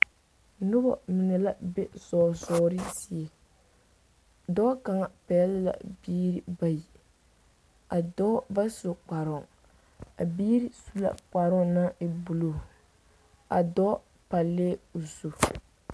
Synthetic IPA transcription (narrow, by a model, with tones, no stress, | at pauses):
nʊ˦bɔ̰˨mɪ˨nɛ˨la˦be˦zɔː˨zɔː˦ɾɪ˦si˦e˨ | dɔ˦ka˨ŋa˨pɛ˨˦lla̰˨biː˦ɾi˦ba˨ji˨ | a˨dɔ˦ba˦so˨k͡pa˨ɾʊ˨ŋ | a˨biː˦ɾi˦su˦la̰˦˨k͡pa˨ɾʊ˦ŋna˦ɪ˨bu˨lo˨ | a̰˨dɔ˦ | pa˨lːeː˦u˨so˨